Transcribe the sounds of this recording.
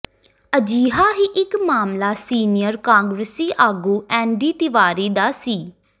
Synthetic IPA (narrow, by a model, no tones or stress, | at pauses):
əd͡ʒiːɦaːɦiːʔɪkmaːmlaːsiːnɪjəɾkãːŋɡɾəsiːʔaːɡuːʔɛ̃ːɳɖiːt̪ɪʋaːɾiːd̪aːsiː